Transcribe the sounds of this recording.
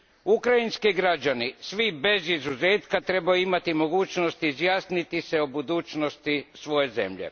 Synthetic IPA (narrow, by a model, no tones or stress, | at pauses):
ukɾainskiɡɾad͡ʒanisʋibe̞zizuze̞ːt̪kat̪ɾe̞bajuimat̪imo̞ɡuːt͡ʃno̞st̪izjaːsnit̪iseobud̪uːt͡ʃnost̪isʋo̞je̞ze̞̰mʎḛ